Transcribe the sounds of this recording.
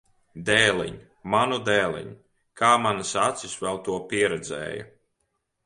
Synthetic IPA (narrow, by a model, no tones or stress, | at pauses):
d̪ɛːlˠḭɲ | manud̪ɛːlˠḭɲ | kʰaːmanɨsat̪sisvɛlˠt̪uɔpiɛɾɛd̪zɛ̰ːjɐ̰